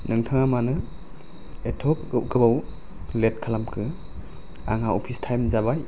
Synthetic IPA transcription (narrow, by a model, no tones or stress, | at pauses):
nɯŋtʰaŋamanɯ | etʰɔk̚ɡɯp̚ɡɯbaw | let̚kʰalamkʰɯ | a̰ŋaɔpʰistʰajmzabaj